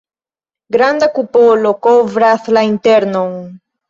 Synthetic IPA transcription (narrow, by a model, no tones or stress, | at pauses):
ɡɾand̪akupolokoβɾaslaint̪eɾnoŋ